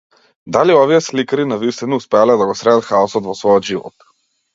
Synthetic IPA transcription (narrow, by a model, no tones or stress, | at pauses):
d̪aliɔviɛslikaɾinavist̪inɔuspɛalɛd̪aɡɔsɾɛd̪at̪xaɔsɔt̪vɔsvɔjɔd̪ʒivɔ̰t̪